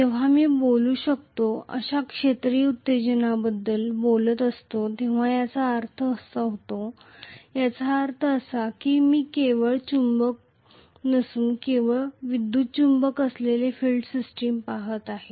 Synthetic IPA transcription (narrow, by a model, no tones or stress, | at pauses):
t̪eʋ̤amiːboluːɕək̚t̪oə̰ɕakʂet̪ɾiut̪ːed͡ʑənabəd̪ːəlbolət̪əst̪ot̪ĩʋ̤ajat͡saːɾt̪ʰəːsaɦot̪o | jat͡saːɾt̪ʰəəsakiːmiːkeʋəɭt͡ɕumbək̚ | nəsuːnkeʋəɭʋid̪ːuːt̪̚t͡ɕumbəkəslelefilɖsisʈiːmpaɦət̪aɦe